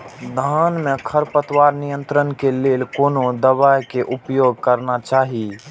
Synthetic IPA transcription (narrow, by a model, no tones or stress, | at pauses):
d̪ʱaːnmẽkʰəɾpət̪waːɾnijə̃nt̪ɾənkeleːlkoːnod̪əβajkeʔʊpjoːɡ̚kəɾnat͡ʃaːɦi